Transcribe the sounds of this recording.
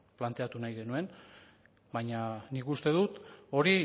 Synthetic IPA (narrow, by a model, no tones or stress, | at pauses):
plant̪e̞at̪unajɣe̞nue̞n | baɲanikust̪e̞ðut̪o̞ɾi